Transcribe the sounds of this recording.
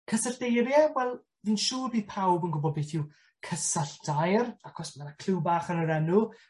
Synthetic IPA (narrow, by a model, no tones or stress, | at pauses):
kʰəsaɬd̥ejɾjawɛlˠ | viːnʃuːrbiːð̥̚pʰawbənɡʊbɔdbejθuw | kʰəsaɬd̥ajrakʰɔsmanakʰl̥ɨwbaːχənəɾɛnʊ